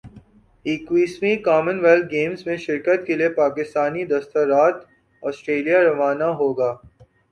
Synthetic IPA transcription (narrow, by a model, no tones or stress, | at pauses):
iːkʋiːsmẽkaːmənʋɛl̚ɡeːmzmẽʃɪɾkət̪keliepaːkɪst̪aːnid̪ɐst̪əɾaːt̪ | ɔːsʈɾeːlijaɾɐʋaːnaɦoːɡaː